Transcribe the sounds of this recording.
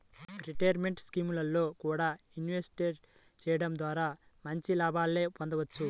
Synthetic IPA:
ɾiʈɐjɐɾme̞ɳʈskiːmulɐlːo̞ːkuːɽaː | inʋesʈeɾ | t͡ʃɛːjɐɽɐmd̪ʋaːɾaːmɐɲt͡ʃilaːbʱaːlːeːpond̪ɐʋɐt͡ʃːu

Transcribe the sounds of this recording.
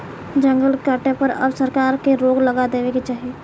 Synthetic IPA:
d͡ʒə̃ŋɡəlkəʈepəɾɐ̰bsəɾkaːɾkeɾoːɡlɐɡad̪eːʋeket͡ʃaːɦieː

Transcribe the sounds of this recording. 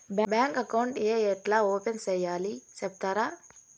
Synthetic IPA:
bbɛːŋkɐkawɳʈeeʈlaoːpensɐjaːlisep̚t̪ɐɾa

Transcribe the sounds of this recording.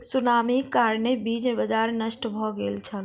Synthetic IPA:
sunamikaɾnebid͡ʒbəd͡ʒaɾnəʃʈbʱɔɡelt͡ʃʰəl

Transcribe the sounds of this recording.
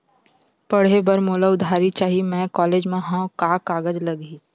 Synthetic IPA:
pɐɽ̤ebəɾmoːlaʊd̪ʱaːɾit͡ʃaːɦimɛ̃kɔːleːd͡ʒmẽɦãkaːkaːɡəd͡ʒlɐɡiː

